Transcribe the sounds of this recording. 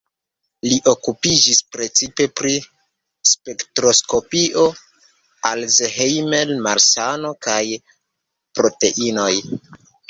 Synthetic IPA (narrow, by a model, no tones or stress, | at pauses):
liʔo̞kupid͡ʒispɾe̞t͡sipe̞pɾi | spe̞ktɾo̞sko̞piʔo̞ | alzeɦejmelmaɾsano̞kaj | pɾo̞te̞̰ʔino̞j